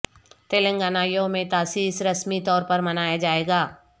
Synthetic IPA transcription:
t̪eːlə̃ŋɡaːnaːjõmẽt̪aːsiːsɾɐsmit̪ɔːɾpɐɾmɐnaːjad͡ʒaːeːɡaː

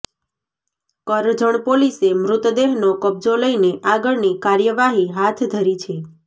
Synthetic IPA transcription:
kəɾd͡ʒəɳ̃polisemɾʊt̪d̪eɦnokəb̚d͡ʒoləjneʔaɡəɭnikaɾjəʋaɦiɦat̪ʰd̪ʱəɾit͡ʃʰe

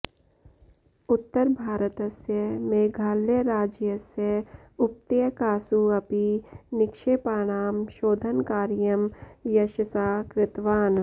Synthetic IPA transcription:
ʊt̪ːəɾbʱaːɾət̪əsjəmeːɡʱaːlːeɾaːd͡ʒjəsjə | ʊp̚t̪ejəkaːsuɐpinɪkʃeːpaːɽ̃aːmʃoːd̪ʱənkaːɾjəmjɐʃəsaːkɾɪt̪ʋaːn

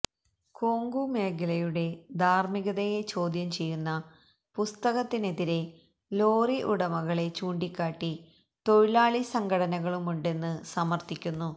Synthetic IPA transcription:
koːŋɡume̞ːɡɐlɐjuɽe̞d̪ʱaːrmiɣɐðɐje̞t͡ɕo̞ːd̪ʱjɐmt͡ɕe̞jːunːɐ | pust̪ɐɣɐt̪ːine̞ðiɾe̞ | lo̞ːriʔuɽɐmɐɣɐɭe̞t͡ɕuːɳɖikʲːaːʈːi | t̪o̞ɻiɭaːɭisɐŋɡʱɐɽɐnɐɣɐɭumuɳɖe̞nːɨsɐmɐrt̪ikʲːunːu

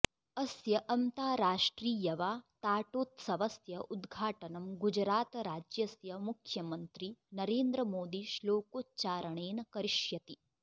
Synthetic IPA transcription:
ɐsjɐʔɐnt̪aːɾaːʂʈɾiːjɐʋaːt̪aːʈoːt̪sɐʋɐsjɐʔud̪ɡʱaːʈɐnɐmɡud͡ʒɾaːt̪ɐɾaːd͡ʒjɐsjɐmukʰjɐmɐnt̪ɾinɐɾeːnd̪ɾɐmoːd̪iʃloːkoːtt͡ʃaːɾɐɳeːnɐkɐɾiʃjɐt̪i

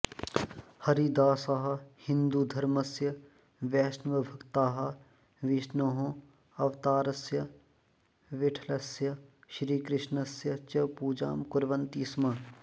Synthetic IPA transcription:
hɐɾid̪aːsɐɦɐ̆hɪ̃nd̪ud̪ʱɐɾmɐsjɐ | ʋɛːʃnʋɐbʱʊkt̪aːɦɐ | ʋɪʃnoɦõː | ɐʋt̪aːɾɐsjɐ | ʋɪʈʰlɐsjɐʃɾiːkɾɪʃnɐsjɐt͡ʃɐpuːd͡ʒa̰ːmkʊɾʋɐnt̪iːsmɐ

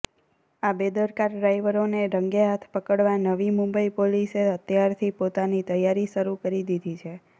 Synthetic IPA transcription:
abed̪əɾkaɾɖɾajʋəɾoneɾəŋɡeɦat̪ʰpəkəɽʋanəʋimumbəipoliseət̪jaɾt̪ʰipot̪anit̪əjaɾiʃəɾukəɾid̪id̪ʱit͡ʃʰe

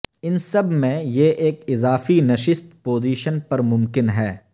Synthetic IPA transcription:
ɪnsɐbmẽjeʔeːkɪzaːfinɐʃɪst̪poːziːʃənpɐɾmʊ̃mkɪnɦɛː

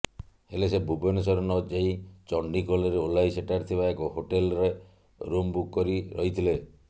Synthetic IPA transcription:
helesebʱubenes̬ɔɾɔnɔd͡ʒeit͡ʃɔɳɖikoleɾeolaiseʈaɾt̪ʰibaekɔhoʈelɾe | ɾumbukkːɔɾiɾɔ̰ɦit̪ʰile

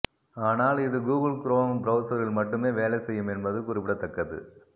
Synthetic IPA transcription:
aːnaːlɪðɯɡuːɣɐlkɪɾoːnbɾɐʊsɐɾɪɭmɐʈːɯmeːʋeːlɛsɛjːɯmɛnbɐðɯkʊɾɪpɪɽɐt̪ːɐkːɐðɯ̰

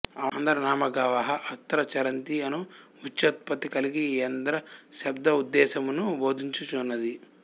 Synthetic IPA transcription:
ɐnd̪ɐɾɐnaːmɐɡɐʋɐɦɐʔɐt̪ːɐɾɐt͡ʃɐɾɐnt̪iɐnu | ut͡ʃːɐt̪̚pɐt̪ikɐliɡiɐnd̪ɐɾɐʃɐbd̪ɐud̪ːɛːsɐmunuboːd̪iɲt͡ʃut͡ʃuːnːɐd̪i

